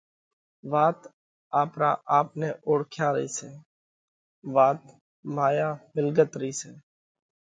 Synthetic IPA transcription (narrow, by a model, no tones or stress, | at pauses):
ʋaːt̪ | aːpɾaːʔaːp̚neːʔoːɽkʰjãːɾəiːseː | ʋaːt̪ | maːjaːmɪlɡət̪ɾəiːseː